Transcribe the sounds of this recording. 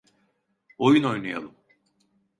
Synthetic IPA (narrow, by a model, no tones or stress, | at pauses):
ojuno̞jnaja̰lˠɯm